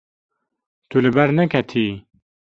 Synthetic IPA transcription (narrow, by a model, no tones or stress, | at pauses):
t̪ʰulɨbɛɾnɛkʰɛt̪ʰiː